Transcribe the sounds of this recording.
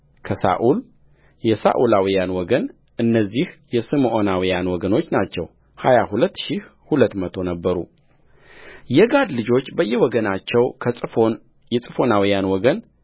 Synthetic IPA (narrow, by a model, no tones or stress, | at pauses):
kʰəsa̰ʔul | jɛsa̰ʔulawijanwɔɡən | ʔɨnːəzːihjɛsɨmʔonawijanwɔɡəno̞t͡ʃːnat͡ʃːɛ̰w | ha̰jahulət̪ːʃihhulət̪ːmət̪ʰo̞nəbːəɾṵ | jɛɡad̪lɨd͡ʒo̞t͡ʃːbəjːɛwɔɡənat͡ʃːɛwkʰəfo | jɛsʼɨfo̞nawijanwɔɡən